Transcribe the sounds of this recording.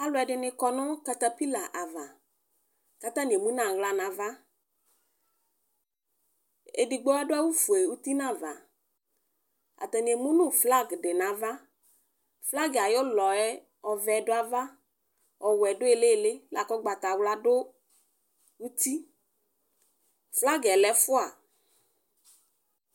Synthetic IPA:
a˨˦lʊ˨˦ɛ˨dɪ˨nɪ̃˧kɔ˦nɔ̃˦ka˦t̪a˦pi˦la˨ʔa˨va˨ | ka˦t̪ã˦n˨e˨mũ˦nã˨wla˨nã˨va˦ | ḛ˨di˨ɡ͡bɔ˦a˦dʊ˦a˦wu˦fu˨e˨u˦t̪i˦nã˦˨va˨ | a̰˨t̪ɔ˨n˨e˨mũ˦nʊ̃˦˨fla˦ɡɖɪ˨nã˨˦va˦ | fla˦ɡa˨jɔ˦lɔ˨ɛ˦ | ɔ˨vɛ˨˦dʊ˦a˦va˦ | ɔ˨wɛ˨dʊ˦e˨le˦˨le˦la˨kɔ˦ɡ͡ba˨t̪a˨wla˨dʊ˦ | u˦t̪i˦ | fla˦ɡɛ˨lɛ˨˦fʊ˦a˨

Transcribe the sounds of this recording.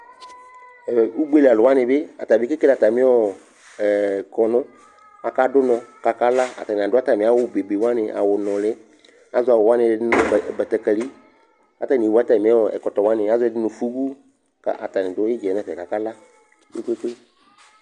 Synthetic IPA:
ɛ˨u˦ɡ͡be˦la˨lʊ˨wa˦nɪ˨bɪ˦a˨ta˨bɪ˦kɪ˦ke˦la˨ta˨mɪ̃˦ɔ˦˨ | kɔ˨nʊ˦ | a˨ka˦dʊ˦nɔ̃˨ka˨ka˦la˦a̰˨ta˨nɪ˨a˨dʊ˦a˦ta˨mɪ̃˨a˦wʊ˦be˨ɡ͡be˨wa˦nɪ˧ʔa̰˨wʊ˨nʊ̃˨lɪ˦ | a˨zʊ˦a˨wʊ˨wa˦nɪ˨˧˨dɪ˦n˨bɛ˨tɛ˨kɛ˨li˦ | a̰˨ta˨ni˨wa˦ta˨mɪ˨˦ɔ˨ɛ̰˨kɔ˨tɔ˨wa˦nɪ˨a˦zʊ˦ɛ˧˨dɪ˦nʊ˨fu˦ɡu˦ | ka̰˨ʔa̰˨ta˨nɪ̃˨dʊ˨˦ɪ˦d͡ʒɛ˨nɛ˨fɛ˨ka˨ka˦la˦ | ɪ̰˦ke˦ke˦

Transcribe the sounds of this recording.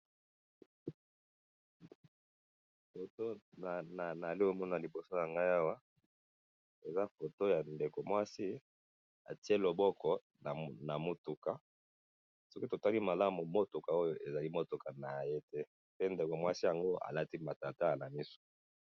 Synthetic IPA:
fo˨to˦a˨na˨na˨li˦o˦mɔ˦na˨li˨bo˨so˦ja˨ŋɡa˦ja˦wa˦ | e˨za˦fo˨to˦ja˨nde˨ko˨mwa˦si˦ | a̰˨ti˦e˦lo˨bɔ˦kɔ˨ | na˨na˨mo˦tu˨ka˨ | sɔ˦ki˦to˨ta˦li˦ma˨la˦mu˨mo˦to˨ka˨o˦jo˨ʔe˨za˨li˦mo˦to˨ka˨na˨je˦tɛ˦ | pe˦nde˨ko˨mwa˦si˦ja˨ŋɡo˦a̰˨la˦ti˦ma˨ta˨ta˦˨na˨mi˦so̥˨

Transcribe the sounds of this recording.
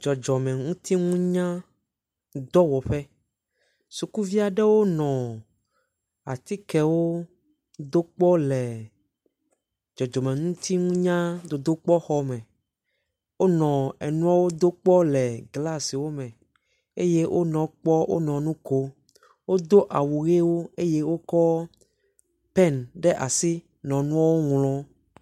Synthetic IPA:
d͡ʒɔ˨d͡ʒɔ˨mɛ̃˨ŋũ˦t̪i˦ŋũ˦ɲã˦ | d̪ɔ˦wɔ˨ɸɛ˦ | su˨ku˦vi˦a˨ɖɛ˦wo˦nɔ̃˨ | a˨t̪i˦kɛ˨wo˦ | d̪o˦k͡pɔ˦lɛ˨ | d͡ʒɔ˨d͡ʒɔ˨mɛ̃˨ŋũ˦t̪i˦ŋũ˦ɲã˦d̪o˨d̪o˦k͡pɔ˦xɔ˦mɛ̃˨ | wo˦nɔ̃˨ɛ˨nũ˦a˦wo˦d̪o˦k͡pɔ˦lɛ˨ɡla˦si˨wo˦mɛ̃˨ | ḛ˦je˦wʔo̰˦nɔ̃˨k͡pɔ˦wʔo̰˦nɔ̃˨nũ˦ko˦ | wo˦d̪o˦ʔa˨wu˨ɣe˦wo˦e˦je˦wo˦kɔ˦ | pɛ˦˨nɖɛ˦ʔa˨si˦ | nɔ̃˨nũ˦a˦wo˦ŋlɔ̃˦

